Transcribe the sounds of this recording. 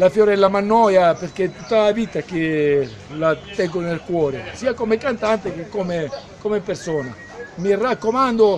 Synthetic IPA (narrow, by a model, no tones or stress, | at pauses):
lafjoɾɛlːamanːɔjapeɾk̟et̪ut̪ːavit̪ak̟e | lat̪ɛŋɡonelkwɔːɾesiːakomekant̪ant̪ekekɔme | komepeɾsɔːna̰ | mirːakːomand̪o